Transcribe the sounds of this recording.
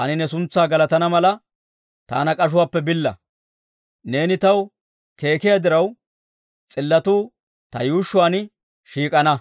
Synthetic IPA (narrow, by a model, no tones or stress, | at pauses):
ɐnɪnɛsʊnt͡sːaːɡɐlɐt̪ɐnɐmɐlɐ | t̪a̰ːnɐkʼɐʃ̬ʊwaːpːɛbɪlːɐ̰ | ne̞ːnɪt̪ɐw | ke̞ːkɪjad̪ɪɾɐw | t͡sʼɪlːɐt̪uː | t̪ɐjuːʃːʊwaːn | ʃiːkʼɐnɐ